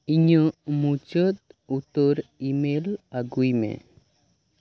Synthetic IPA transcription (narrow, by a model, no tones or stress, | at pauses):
iɲəmut͡ʃət̪̚ut̪ɔɾimelaɡujmḛ